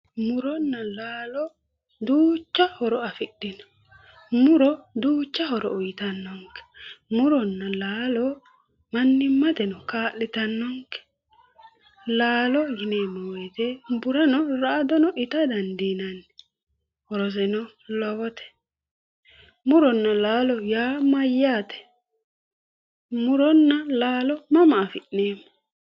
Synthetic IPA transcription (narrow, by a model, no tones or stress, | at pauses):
mʊɾɔnːɐlaːlɔ | d̪uːt͡ʃːɐhɔɾɔɐfɪɗːɪnɔ̥ | mʊɾɔd̪uːt͡ʃːɐɦɔɾɔ̰ʊjɪt̪ɐnːɔŋkɛ̥mʊɾɔnːɐlaːlɔ | mɐnːɪmːɐt̪ɛnɔkaːʔːɪt̪ɐnːɔŋkɛ̥ | laːlɔɡɪneːmːɔwɔjt̪ɛbʊɾɐnɔɾaʔd̪ɔnɔʔɪt̪ɐd̪ɐnd̪inɐn | ɔɾɔs̬ɛnɔ | lɔbɔt̪ɛ̥ | mʊɾɔnːɐlaːlɔjaːmɐjːaːt̪ɛ̥ | mʊɾɔnːɐlaːlɔmɐmɐːfɪʔneːmːɔ